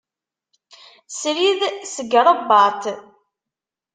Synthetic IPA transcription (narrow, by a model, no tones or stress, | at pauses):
sɾiðsəɡɾˤəbɑt̪